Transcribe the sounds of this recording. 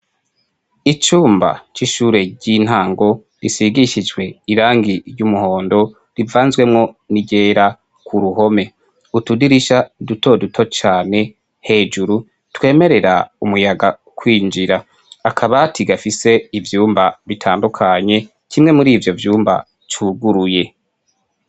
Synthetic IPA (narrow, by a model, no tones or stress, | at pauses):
it͡ʃuːmba̰t͡ʃiʃuːɾe̞ɟin̥haːŋɡo̞ | ɾisiɡiʃid͡ʒɡwe̞iɾaːŋɡiɾjumuho̞ːndo̞ | ɾivaːnzwe̞mŋo̞niɟe̞ːɾa | kʰuɾuho̞me̞ | utudiɾiʃaduto̞dutʰo̞t͡ʃaːne̞ | he̞ːd͡ʒuɾu | twe̞ːme̞ɾe̞ɾaumujaɡa | kwiːnd͡ʒiɾaː | kʰaβatʰiɡafise̞ivjuːmbaβitʰaːndukʰaɲe̞ | kimŋemuɾiːvjo̞vjuːmba̰ | t͡ʃʰuɡuɾuje̞